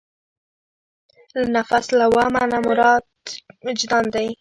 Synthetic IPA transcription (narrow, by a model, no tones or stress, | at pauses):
lanafaslawɑmanamʊɾɑd̪ɪd͡ʒd̪ɑnd̪aj